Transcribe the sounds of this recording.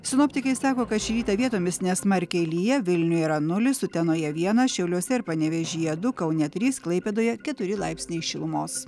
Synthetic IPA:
sʲɪnoːpʲt̪ʲɪkɐɪsɑːkoːkɐt̪ʃʲiɾʲiːt̪ɐʋʲiɛt̪oːmʲɪsnʲɛsmɐɾʲkʲɛlʲijɛʋʲɪlʲnʲʊiːɾɐnʊlʲɪsʊt̪ʲɛnoːjɛʋʲiɛnɐʃʲɛʊlʲoːsʲɛɪɾpɐnʲɛʋʲɛʒʲiːjɛd̪ʊkɐʊnʲɛt̪ʲɾʲiːsklˠɐɪpʲɛd̪oːjɛkʲɛt̪ʊɾʲɪlˠɑɪpʲsʲnʲɛɪʃʲɪlˠʊmoːs

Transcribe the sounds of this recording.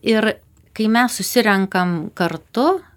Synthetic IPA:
ɪɾ | kɐɪmʲɛssʊsʲɪɾʲɛŋkɐmkɐɾt̪ʊ

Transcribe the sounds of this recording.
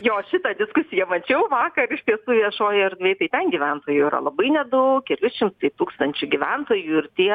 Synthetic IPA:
joːʃʲɪt̪ɐd̪ʲɪskʊsʲɪjɛmɐt͡ʃʲɛʊʋɑːkɐrɪʃt̪ʲiɛsuːʋʲiɛʃoːjɪɛrd̪ʲʋʲeːt̪ɐɪt̪ʲɛnɡʲɪʋʲɛnt̪oːjuiɾɐ̰lˠɐbɐɪnʲɛd̪ɐʊkkʲɛlʲʊʃʲɪmt̪ɐɪt̪uːkst̪ɐnʲt͡ʃʲʊɡʲɪʋʲɛnt̪oːjuɪrt̪ʲiɛ

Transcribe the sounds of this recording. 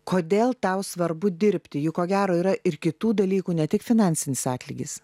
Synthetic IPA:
koːd̪ʲeːlˠt̪ɑʊsʋɐɾbʊd̪ʲɪɾʲpʲt̪ʲɪjʊkoːɡʲæːɾoːiːɾɐʔɪɾkʲɪt̪uːd̪ɐlʲiːkuːnʲɛt̪ʲɪkfʲɪnɑːˑnʲsʲɪnʲɪsɑːt̪ʲlʲiːɡʲɪs

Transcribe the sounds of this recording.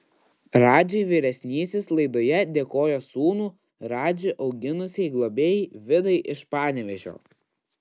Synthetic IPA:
ɾɑːd͡ʒʲɛɪʋʲiːɾʲɛsʲnʲiːsʲɪslˠɐɪd̪oːjɛd̪ʲeːkoːjoːsuːnuː | ɾɑːd͡ʒʲɪʔɒʊɡʲɪnʊsʲɛɪɡlˠɔbʲeːjiʋʲɪd̪ɐɪʔɪʃpɑːnʲɛʋʲɛʒʲo̰ː

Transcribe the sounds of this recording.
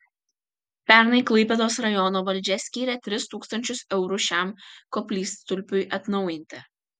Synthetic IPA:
pʲɛˑɾnɐɪklˠɐɪpʲɛd̪oːsɾɐjɔnoːʋɐlʲd͡ʒʲɛsʲkʲiːɾʲɛt̪ʲɾʲɪst̪uːkst̪ɐnʲt͡ʃʲʊsɛʊɾʊʃʲæˑmkɔpʲlʲiːst̪ʊlʲpʲʊɪʔɐt̪nɐʊjɪnʲt̪ʲɪ

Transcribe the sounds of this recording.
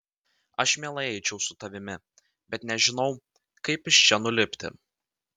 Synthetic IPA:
ɐʃmʲɛːlˠɐɛɪt͡ʃʲɛʊsʊt̪ɐʋʲɪmʲɪ | bʲɛt̪nʲɛʒʲɪnɒʊ | kɐɪpɪʃt͡ʃʲɛnʊlʲɪpʲt̪ʲɪ̰

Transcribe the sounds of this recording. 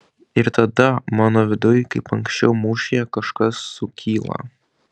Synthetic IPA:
ɪɾt̪ɐd̪ɐmɑːnoːʋʲɪd̪ʊjkɐɪpɐŋksʲt͡ʃʲɛʊmuːʃʲɪjɛkɐʃkɐsːʊkʲiːlˠɐ̰

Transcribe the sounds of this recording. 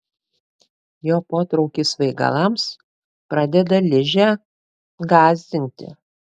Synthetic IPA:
joːpoːt̪ɾɔʊkʲiːsʋɐɪɡɐ̰lˠɑms | pɾɑːd̪ʲɛd̪ɐlʲɪʒʲæ | ɡɑːzʲd̪ʲɪnʲt̪ʲɪ̰

